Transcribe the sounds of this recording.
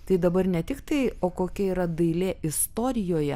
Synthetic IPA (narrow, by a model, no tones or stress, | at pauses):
t̪ɐɪd̪ɐbɐrnʲɛt̪ʲɪkt̪ɐɪoːkoːkʲɛiːɾɐd̪ɐɪlʲeːʔɪst̪oːɾʲɪjoːjɛ